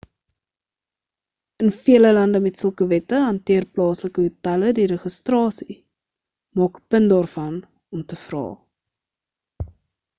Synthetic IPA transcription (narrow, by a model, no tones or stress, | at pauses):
ənfiələlɐndəmɛtsəlˠkəvɛtəɦɐntiərplɑːsləkəɦətɐlədiɾəχəstrɑːsi | mɑːkə̥pəndɑːrfɐn | ɔmtəfrɑ̰ː